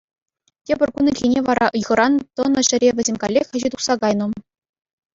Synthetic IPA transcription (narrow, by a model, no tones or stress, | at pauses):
tʲebʲɘ̆rʲkunɘ̆kʲlʲinʲeʋɑɾɑ̰ʔɯjʁɤ̆ɾɑnt̪ɤ̆nɤ̆ɕɘ̆ɾʲeʋʲɘ̆zʲemʲkɑlʲːexʲχɘ̆ʑit̪uχsɑɡɑjnɤ̆